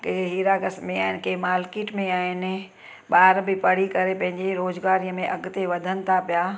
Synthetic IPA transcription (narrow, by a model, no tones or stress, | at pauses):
keɦiːɾaɡɐsmẽaːɦɪnɪ̆keːmaːlkiːʈmẽaːɦɪnɪ̆ | ɓaːɾbɪpɐɽ̤ikɐɾepɐ̃ɦɪ̃ɲ̆d͡ʑeɾoːzɡaːɾijəmẽʔɐɡ̆t̪eʋɐd̪ʱənɪ̆t̪ʰapijaː